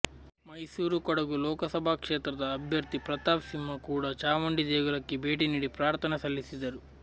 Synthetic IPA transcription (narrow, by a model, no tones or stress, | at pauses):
mɐjsuːɾukɔɽɐɡulɔːkɐsɐbʱakʂeːt̪ɾɐd̪ɐːbʱjɐɾt̪ipɾɐt̪aːʋsimːɐkuːɽaːt͡ʃaːmɐɳɖid̪eːɡulɐkːibʱe̞ːʈ̬iniːɽipɾaːɾt̪ʰɐnɐsɐlːisid̪ɐɾu